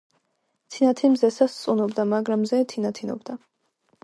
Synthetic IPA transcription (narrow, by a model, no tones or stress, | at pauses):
t̪ʰinat̪ʰimzɛsast̪sʼunɔbd̪amaɡɾamzɛt̪ʰinat̪ʰinɔ̰bd̪a